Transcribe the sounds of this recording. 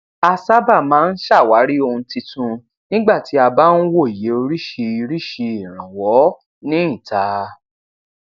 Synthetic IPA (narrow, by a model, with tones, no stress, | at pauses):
a˧sa˦ba˦˨mãː˦n̩˦ʃa˦˨wa˨˦ɾi˦o˧hũ˧ti˧tũ˧ | nĩ˦ɡ͡ba˦˨ti˨˦a˧ba˦n̩˦wo˦˨i˨je˨˦o˧ɾi˦ʃe˧i˧ɾi˦ʃi˧i˨ɾ̃ã˨wɔ˨˦ | nĩ˦ĩ˦˨ta˨˦